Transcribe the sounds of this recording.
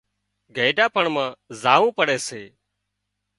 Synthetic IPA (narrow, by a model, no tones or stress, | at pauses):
ɡʱəːɖaːpəɳmãːzaːʋũːpəɽeːseː